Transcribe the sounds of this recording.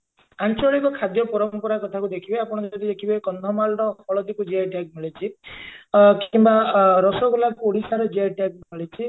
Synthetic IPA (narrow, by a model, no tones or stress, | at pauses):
ant͡ʃɔɭikɔkʰad̪jɔpɔɾɔmpɔɾakɔt̪ʰakud̪ekʰibeapɔɽ̃ɔd͡ʒɔd̪id̪ekʰibekɔnd̪ʱɔmalɾɔɔɭɔd̪ikud͡ʒeaʈaɡ̚melet͡ʃʰi | kimbaɾɔsɔɡɔlakoɽisaɾɔd͡ʒeaʈaɡ̚melet͡ʃʰi